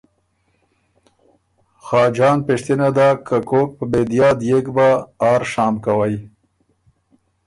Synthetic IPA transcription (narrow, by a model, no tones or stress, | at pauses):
xɑːd͡ʒɑːnpeʂt̪inad̪akakok̚pəbed̪ijɑːd̪jeɡbaːɾʃɑːmkawaj